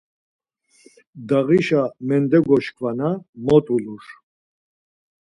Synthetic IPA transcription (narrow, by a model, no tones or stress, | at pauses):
d̪aɣiʃamɛnd̪ɛɡɔʃkʰʼvanamɔt̪ʼuluɾ